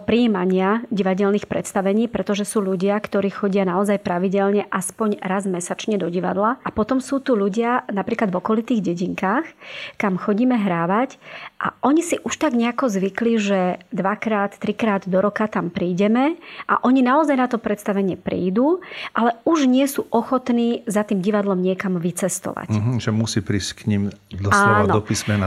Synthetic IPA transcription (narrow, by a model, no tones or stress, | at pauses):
pɾiiːmaɲɪaɟiʋaɟɛlniːxpɾʔɛt̪st̪aʋɛɲiːpɾɛt̪ɔʒɛsuːʎuɟɪakt̪ɔɾiːxɔɟɪanaɔzajpɾaʋiɟɛlɲɛʔaspɔɲɾazmɛsat͡ʃɲɛd̪ɔɟiʋa̰d̪laʔapɔt̪ɔmsuːt̪uʎuɟɪanapɾiːklad̪vɔkɔlit̪iːɣɟɛɟiŋkaːxkamxɔɟiːmɛɦɾaːʋacʔa̰ʔɔɲisiʔuʃt̪aɡɲɛakɔzʋikliʒɛd̪ʋakɾaːt̪ːɾikɾaːd̪d̪ɔɾɔkat̪ampɾiːɟɛmɛʔa̰ʔɔɲinaɔzajnat̪ɔpɾɛt̪st̪aʋɛɲɪɛpɾḭːd̪uːʔalɛuʒɲɪɛsuːʔɔxɔt̪niːzat̪iːmɟiʋad̪lɔmɲɪɛkamʋit͡sɛst̪ɔ̰ʋa̰ɦ̩ʒɛmusiːpɾiːsckɲimd̪ɔaːɛnɔɔpismɛ